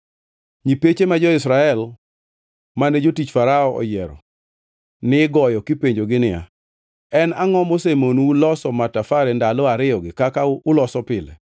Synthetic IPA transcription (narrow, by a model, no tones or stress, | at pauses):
ɲipet͡ʃemad͡ʒɔɪsɾaɛl | maned͡ʒotit͡ʃfaɾaɔɔ̰jɛɾɔ̰ | nɪɡɔjɔkipeɲd͡ʒoɡɪnɪa̰ | ɛnaŋɔmosemonulɔsɔmatafaɾɛndalɔaɾɪjɔɡɪkakaʊlɔsɔpɪlɛ̰